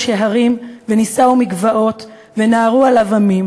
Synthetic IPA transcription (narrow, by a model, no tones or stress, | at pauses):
ʃeɦaʁimvenisaumiɡvao̞t̪ | ve̞naːʁualavamim